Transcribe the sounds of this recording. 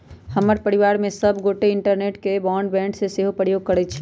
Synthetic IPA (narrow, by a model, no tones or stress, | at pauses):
həməɾpəɾiʋaɾmẽsəbʱɡoʈeɪɳʈəɾneʈkebɔɳɖbɛ̃ɳɖseseɦopɾəɾjoɡ̚kəɾɛt͡ʃʰɛ̥